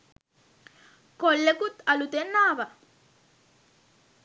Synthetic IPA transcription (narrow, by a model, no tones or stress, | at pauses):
kolːekut̪ɐlut̪enːaːʋɐ